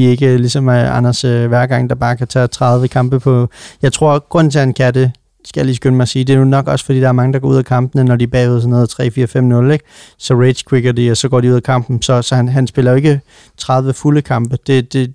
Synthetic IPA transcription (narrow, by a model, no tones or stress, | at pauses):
ie̝ɡ̥əlisɒ̽mɑnɐsʋæɐɡ̥ɑ̈ŋ̰d̥ɑ̈b̥ɑ̈ːkʰæt͡sʰɛ̰ːt͡sʰʁɑ̈ðˠʋəkʰɑ̈mb̥əpʰɒ̽jɑ̈ɪt͡sʰʁo̝ɐ̰ɡ̥ʁɔ̽n̰nt͡sʰe̝hænkʰæd̥ə | sɡ̥ælisɡ̥ønəmɑsiːd̥e̝ɐnunɒ̽ɡ̥ɒ̽sfɒ̽d̥ḭːd̥ɑ̈æɐmɑ̈ŋəd̥ɑɡ̥ɒ̰uð̰ˠækʰɑ̈mb̥ənənɒdib̥ɛ̰ːuðˠsnoðˠt͡sʰʁɛ̰ːfiːɐfem̰nɔ̽leɡ̥̚sɒ̽ʁed̥skʰweɡ̥ɐdiɒsɒ̽ɡ̥ɒ̰ːdiuð̰ˠækʰɑ̈m̰b̥n̩sɒ̽sɒ̽hænɦænsb̥e̝lɐjoe̝ɡ̥ə | t͡sʰʁɑ̈ðˠʋəfuləkʰɑ̈mb̥əd̥e̝d̥e̝